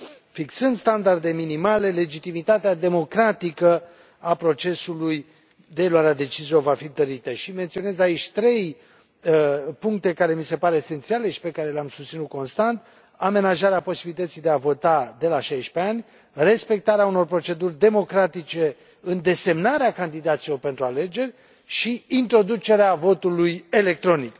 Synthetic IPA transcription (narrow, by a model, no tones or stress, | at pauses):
fiksɨnd̪st̪and̪ard̪e̞minimale̞le̞d͡ʒit̪imit̪at̪ead̪e̞mo̞kɾat̪ikə | apɾo̞t͡ʃe̞suluj | d̪eːluwaɾead̪e̞t͡ʃizijo̞vafint̪əɾit̪əʃime̞nt̪sio̞ne̞zait͡ʃʲt̪ɾe̞j | puŋk̚t̪e̞kaɾe̞mise̞paɾe̞ːse̞nt̪siale̞ʃi̥pe̞kaɾe̞leamsust̪sinut̪̚ko̞nst̪ant̪ | ame̞naʒaɾeapo̞sibilit̪ət̪sijd̪e̞avo̞t̪ad̪e̞laʃajʃpeanʲ | re̞spe̞k̚t̪aɾeauno̞rpɾo̞t͡ʃe̞d̪urʲd̪e̞mo̞kɾat̪it͡ʃe̞ | ɨnd̪e̞se̞mnaɾeakand̪id̪at̪silo̞rpe̞nt̪ɾuale̞d͡ʒe̞rʲ | ʃiint̪ɾo̞d̪ut͡ʃe̞ɾeavo̞t̪uluje̞le̞k̚t̪ɾo̞nik